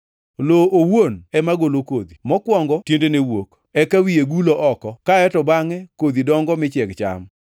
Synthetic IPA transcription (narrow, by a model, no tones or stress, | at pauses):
loowonɛmaɡolokod̪imɔkwɔŋɡɔtjendenewok | ɛkawijeɡuloʔɔkɔkaɛtɔbaŋɛkod̪idɔŋɡɔmɪt͡ʃɛkt͡ʃa̰m